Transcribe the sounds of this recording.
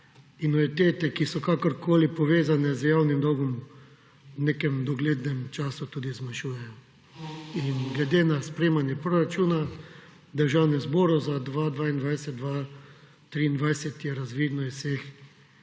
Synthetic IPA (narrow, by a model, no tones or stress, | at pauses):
inɔʋit̪eːt̪ɛkisɔkakɔɾkʰoːlipɔʋeːzanɛzjawnimd̪ɔɡɔm | wnekɛmd̪ɔɡleːd̪nɛmt͡ʃaːsut̪uːd̪izmanʃuːjɛjɔ | inɡlɛd̪eːnaspɾeːmanjɛpɾoɾat͡ʃuːna | d̪əɾʒawnɛzbɔɾɔzad̪ʋad̪ʋaːind̪ʋajsɛd̪̚d̪ʋa | t̪ɾiːnd̪ʋajsɛt̪jɛɾazʋiːd̪nɔissex